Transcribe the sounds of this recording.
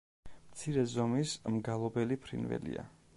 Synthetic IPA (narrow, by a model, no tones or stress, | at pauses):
mt̪sʰiɾɛzɔmismɡalˠɔbɛlipʰɾḭnvɛ̰lḭa̰